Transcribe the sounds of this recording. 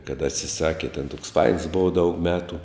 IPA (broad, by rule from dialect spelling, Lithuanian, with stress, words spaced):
kɐt ɐtʲsʲɪˈsɑːkʲɪ tʲɛn toːks fɐɪns ˈboːʋɐ dɐʊk ˈmʲæːtʊ